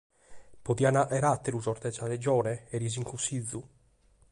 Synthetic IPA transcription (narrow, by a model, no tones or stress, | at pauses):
poðianaʔɛɾat̪ːeɾuzɔɾt̪ɛsalɛd͡ʒɔːɾɛɛɾiziŋkusid̪zːu